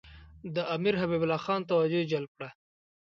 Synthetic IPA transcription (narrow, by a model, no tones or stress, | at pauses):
d̪əʔamiɾɦabibʊlɑxɑnt̪awad͡ʒod͡ʒalp̚kɽa